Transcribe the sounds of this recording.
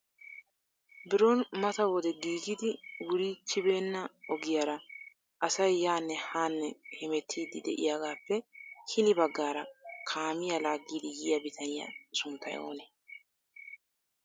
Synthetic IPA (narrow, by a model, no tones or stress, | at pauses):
bɪɾonmɐt̪ɐwɔd̪ɛd̪iːɡɪd̪ɪwʊɾiːt͡ʃːɪbe̞ːnːɐɔɡɪjaɾɐ | ʔɐsɐjːaːnːɛhaːnːɛhɛmɛt̪ʰːiːd̪ɪd̪ɛ̰ʔɪ̰jaɡaːpːɛhɪnɪbɐɡːaːɾɐkʰaːmɪjɐlaːɡːiːd̪ɪjɪjɐbɪt̪ʰɐnɪjɐ̰sʊnt̪ːɐ̰jo̰ːnɛ